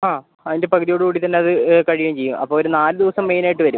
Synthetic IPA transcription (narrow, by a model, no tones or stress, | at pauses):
aː | ɐðinde̞pɐkʰuðijoɽɨkuːɽit̪ɐnːe̞ɐðɨkɐɻijɐmt͡ɕe̞jːumɐ̰pːoːoɾunaːlɨd̪iʋɐsɐmːe̞jnaːjiʈːɨʋɐɾum